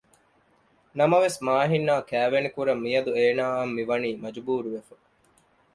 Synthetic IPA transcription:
nɐmɐʋesmaːɦinːaːkæːʋenikuɾɐmːijɐd̪ueːnaːɐmːiʋɐniːmɐd͡ʒubuːɾuʋefɐ

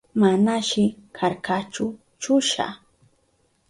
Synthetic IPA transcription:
manaʃɪkʰaɾkat͡ʃʊ | t͡ʃʊʃa̰

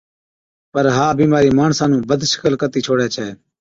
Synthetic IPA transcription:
pəɾɦaːbiːmaːɾiːmaːɳsãːnũːbəd̪ʱʃə̥kəlkət̪iːt͡ʃʰoːɽaːt͡ʃʰɛeː

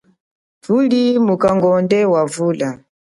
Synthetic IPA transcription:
tulimukaŋɡɔndɛwavuːla

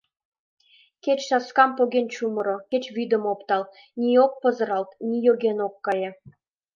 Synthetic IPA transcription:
ket͡ɕʃɑskɑmpoɣʲenʲt͡ɕumɤ̆ɾoket͡ɕβyd̪ə̆mopt̪ɑl | nʲiok̚pɤ̆zɤ̆ɾɑlt̪nʲijoɡenokːɑje

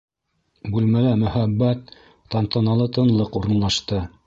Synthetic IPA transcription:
bʉlmælæmɵ̆hæbːæt̪̚ː | ɑnt̪ɤ̆nɑlˠɤt̪ɤ̆nlˠɤquɾɤ̆nlˠɑʃt̪ɤ

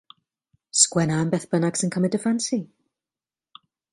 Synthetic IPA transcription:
skwɛnambɛːθb̥ənaɡ̥sənkʰəmɛdəfansi

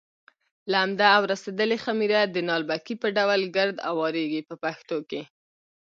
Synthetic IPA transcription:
laːmd̪aːwɾased̪əlexamiɾad̪ənɑlbakipəɖawlɡəɾd̪a̰wɑɾeɡipəpaxt̪oke

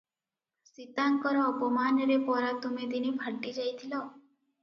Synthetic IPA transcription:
sit̪aŋkɔɾɔːpɔmanɾepɔɾat̪umed̪inibʱəɽʈid͡ʒajt̪ʰilɔ

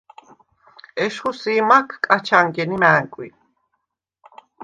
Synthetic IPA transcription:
ɛʃχusiːmakʰkʼat͡ʃʰaŋɡɛnimæːŋkʼwḭ

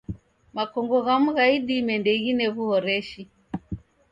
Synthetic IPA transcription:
makɔŋɡɔɣam̩ɣaiɗimɛndɛɣinɛɣuhɔɾɛʃi

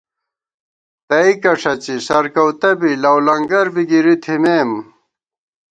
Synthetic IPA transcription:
t̪ɐikɐʂʰɐt͡ɕisɐɾkɐwt̪ɐbilɐwlɐŋɡɐɾbiɡiɾit̪ʰimeːm

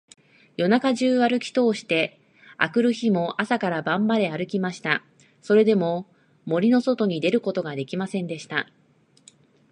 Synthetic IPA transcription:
jo̞nakaʑɨːβaɾɯ̟kʲi̥t̪o̞ːɕi̥t̪e̞ | a̰kɯ̟ɾɯ̟çimo̞ʔasakaɾabãmbaɾe̞aɾɯ̟kʲimaɕi̥t̪a | so̞ɾe̞d̪e̞mo̞ | mo̞ɾʲino̞so̞t̪o̞ɲ̟id̪e̞ɾɯ̟ko̞t̪o̞ɡad̪e̞kʲimasẽ̞nd̪e̞ɕi̥t̪a

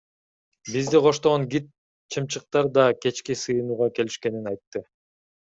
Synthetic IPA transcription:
bizd̪iqʰo̞ʃt̪oʁoŋɡit̪̚ | t͡ʃʰɯmt͡ʃɯq̚t̪ɑɾd̪ɑke̞t͡ʃkisɯjɯnuːʁɑke̞liʃke̞ninɑjt̪ːɯ

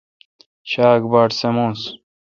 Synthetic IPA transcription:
ɕaːɡbaːʈsemõːns

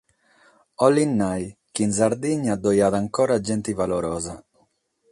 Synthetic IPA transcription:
ɔlːinːajkinzaɾd̪iɲːad̪ojaːðaŋkɔːɾad͡ʒɛnt̪ivaloɾɔːza

